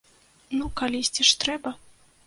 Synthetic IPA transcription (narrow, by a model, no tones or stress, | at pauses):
nukalʲisʲt͡sʲiʂt̪ɾɛbɐ